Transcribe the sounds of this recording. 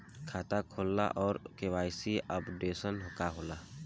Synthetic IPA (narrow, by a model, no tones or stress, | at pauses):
kʰaːt̪akʰoːlːa̰ʔɔːɾkewaːjsiəpɖeːsənɦʊkaɦoːlaː